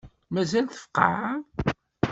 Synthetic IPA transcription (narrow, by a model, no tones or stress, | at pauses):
mæzælθə̥fə̥qːɑ̰ʕ